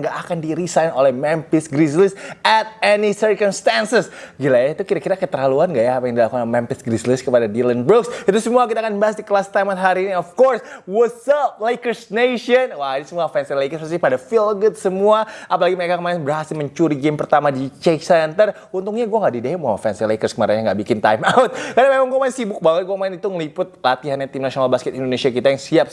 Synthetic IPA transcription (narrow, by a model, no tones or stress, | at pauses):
ŋɡaʔːkandiɾisajnolɛhmɛmpɪsɡɾislɪsɛt̪̚ɛnisərkɔmst̪ansɪsɡilajait̪ukiɾakiɾakət̪əraluanɡaʔjaːpajaŋdilakuamɛmpɪsɡɾislɪskəpadadilənbʊksit̪usəmuakit̪aːkanbaɦas̬dikəlast̪ajmat̪ɦaɾiːniɔfkɔrswʊsəlajkərsneʃɔnwadisəmuafɛnsilekərsasihpadafilɡʊt̪səmuaapalaɡiməɾekakəmaɾɛnbəɾaɦasɪməɲt͡ʃuɾiɡempərt̪amadit͡ʃeksnt̪ər | unt̪ʊŋɲaɡuaŋɡaʔdideɦɛmawafɛnsilekərskəmaɾɛɲaŋɡaʔbikɪnt̪a̰jmaʊt̪̚kardamemaŋɡuamaɪnsibʊk̚baŋət̪̚ɡuamaɪnit̪uŋəlipʊt̪̚lat̪iɦanɲat̪imnasionalbaskɛt̪indonesiakit̪ajaŋsiap̚